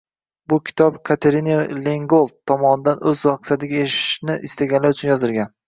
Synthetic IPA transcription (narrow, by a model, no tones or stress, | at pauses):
bʊkʲʰɪ̥t̪ʰɒpkʰat̪ʰe̞ɾineleŋɡolˠt̪ʰːɒmɒnɪd̪anʔɵzvɑq̚sat̪ɪɡʲaeɪʃɪ̥ʃnɪʔɪst̪aɡʲanlaɾʊt͡ʃʰʊnjɒzɪɾɡʲan